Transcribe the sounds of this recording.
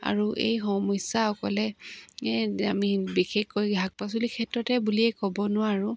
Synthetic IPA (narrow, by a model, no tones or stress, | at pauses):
a̰ɹuʔḛjxɔmɔsaɔkɔ̰lɛɛamibixexkojɡʱak̚pas̬ulikʰɛtɹɔtɛbuliɛkɔbɔnʊwaɹu